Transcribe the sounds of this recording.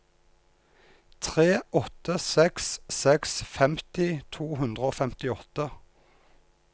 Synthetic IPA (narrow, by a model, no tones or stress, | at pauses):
t̪ʰʁeːʔɔt̪əsɛkssɛksfɛmt̪ɪt̪ʰuːɦʉnd̪ʁəoːfɛmt̪ɪɔt̪ə